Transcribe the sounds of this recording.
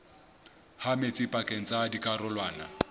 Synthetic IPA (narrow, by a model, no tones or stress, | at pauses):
hamet͡sʼɪpʼakʼeŋ̩t͡sʼadikʼarʊlwaːna̰